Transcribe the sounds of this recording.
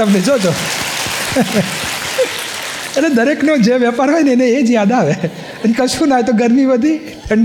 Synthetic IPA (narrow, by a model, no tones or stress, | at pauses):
əmned͡ʒod͡ʒo | etled̪əɾeknod͡ʒeʋjəpaɾɦajneneed͡ʒjad̪aːʋe | ənkəʃũnaɦet̪oɡʱəɾniʋəd̪ʱi | əɳ